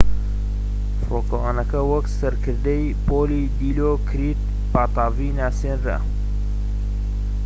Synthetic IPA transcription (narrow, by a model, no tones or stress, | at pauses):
foːkoaːnɐkɐwɐksɐɾkʰɨɾd̪ɐj | poːlid̪iːlokʰɨɾit̪̚ | paːt̪ɑːviːnaːseːnrɾɐ̰